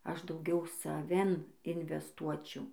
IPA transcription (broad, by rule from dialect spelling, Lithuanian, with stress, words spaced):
ˈɐʃ dɐʊˈɡʲɛʊ sɐˈʋʲɪn ɪnʲʋʲɛsˈtuɔt͡ʃʲɛʊ